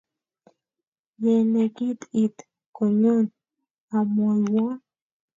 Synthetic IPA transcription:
je˨ne˧ki˦t̪i˧t̪ | ko˨ɲo˦n | a˨mo˨lwa˦

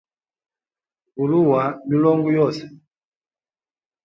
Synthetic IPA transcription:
ku˨lu˦wa˨mi˨˦lɔ˦ŋɡu˦jɔ˦˨sɛ̥˨

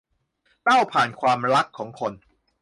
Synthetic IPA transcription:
t̪a˥˩wpʰaː˨˩nkʰwaː˧mɾa˦˥kʰːɔː˩˦ŋkʰo˧n

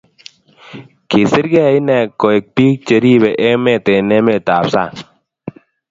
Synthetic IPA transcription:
ke˨sɪ˦ɾɡɛ˦˨i˦nɛ˨kɔ˨e˨k̚pi˦k̚t͡ʃe˨ɾi˦˨bɛ˨ʔe˦me˦˨t̪e˨ne˦me˦˨ta˨psa˦˨

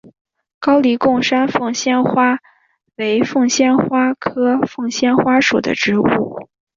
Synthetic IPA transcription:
kɑ˥ʊli˧˥kʊ˥˩ŋʂa˥nfɤ˥˩ŋɕjɛ˥nxwa˥ | we˧˥ɪfɤ˥˩ŋɕjɛ˥nxwa˥kʰɤ˥fɤ˥˩ŋɕjɛ˥nxwa˥ʂu˨˩d̪ə̰˦ʈ͡ʂɻ̩˧˥u˥˩

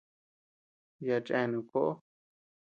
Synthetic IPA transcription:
ja˧t͡ʃʼẽ˧˨nũ˨po˦ʔo˦

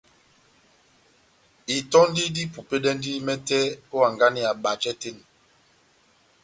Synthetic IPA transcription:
i˨tɔ˦n˦di˦di˦pu˨pe˦dɛ˦n˦di˦mɛ˦tɛ˦o˦a˨ŋɡa˦ni˦a˨ɓa˨t͡ʃɛ˦te˦ni˨

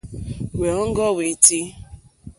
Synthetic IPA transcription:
we˨ɔ˦ŋ̩˦ɡɔ˦we˨ti˦

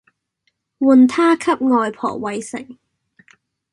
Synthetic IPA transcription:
wuː˨nt̪ʰaː˥kʰɐ˥p̚ŋɔː˨jpʰɔ̰ː˨˩k̚wɐ˨˧jsɪ̰˨˩ŋ

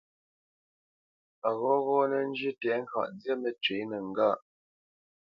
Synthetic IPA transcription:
a˨ɣɔ˦ɣɔ˦nə˨n̩˦d͡ʒi˦tɛ˨˦ŋ̩˦ka̰˨ʔn˦d͡zjɛ˦mə˨t͡ʃɥe˨˦nə˨ŋ̩˦ɡa˦˨ʔ

